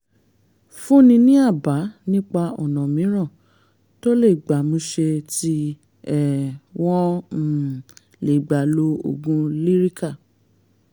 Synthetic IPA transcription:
fũ˦nĩ˧nĩ˦a˦˨ba˨˦nĩ˦k͡pa˧ɔ̰˨nɔ̃˨mĩ˨˦ɾ̃ã˦˨ | to˦le˦˨ɡ͡ba˨mũ˧ʃe˧ti˧˦ | ɛ˦˨w̃ɔ̃˦˨ | le˨ɡ͡ba˨lo˧o̰˨ɡũ˧˦li˦ɾi˦ka˦˨

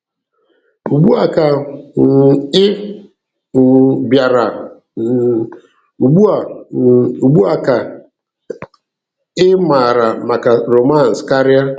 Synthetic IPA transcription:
u˨ɡ͡bu˦a˨ka˨ | ɪ˦˨ | bja˨ɾa˨ | u˨ɡ͡bu˦a˨ | u˨ɡ͡bu˦a˨ka˨ | ɪ˦ma˨ɾa˨ma˨ka˨ɾo˨ma˦˨n̩˨ska˦ɾi˦a˦

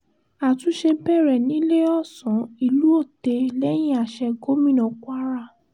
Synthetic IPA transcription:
a˨tũ˨˦ʃe˧bɛ˦˨ɾɛ˨nĩ˨˦le˦ɔ˦˨sɔ̃˨˦i˧˨lu˨˦o˦˨te˧lɛ˦j̃ĩ˦a˨ʃɛ˧ɡo˦mĩ˦nɔ̃˨kʷa˦ɾa˦˨

